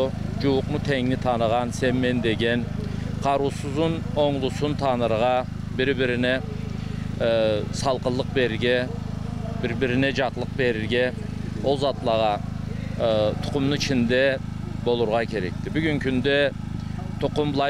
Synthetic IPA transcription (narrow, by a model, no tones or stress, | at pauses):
ʊd͡ʒuwʊqmʊt̪ʰɛŋnɪt̪ʰɑnəʁɑnsɛnmɛnd̪eɡʲɛnqʰɑɾusɨzʊnoŋlˠʊsʊnt̪ʰɑnɨɾəʁɑ | bɪɾbɪɾɪnɪ | sɑlˠqəlˠːəq̚beɾɪɡʲɛ | bɪɾbɪɾɪnɪd͡ʒɑq̪lˠəq̚beɾɪɾɡʲɛozɑt̪lˠəʁɑ | t̪ʰo̥qʰʊmnɨt͡ʃʰind̪ɛbolˠuɾʁɑkʲʰeɾɛ̰k̚ʲt̪ʰɪbyɡʲynkʲʰynd̪ɛ | t̪ʰoqʊmblˠɑ